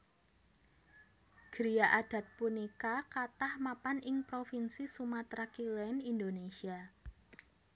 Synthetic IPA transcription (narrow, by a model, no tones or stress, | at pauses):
ɡ̥ɾijaʔad̥ä̤t̪̚punikakat̪ahmapanʔɪŋpɾofinsisumat̪ɾakilɛnind̪onesia